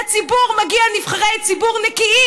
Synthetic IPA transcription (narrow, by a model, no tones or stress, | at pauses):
at͡sibuʁmaɡianifχaʁejt͡sibuʁnɛkii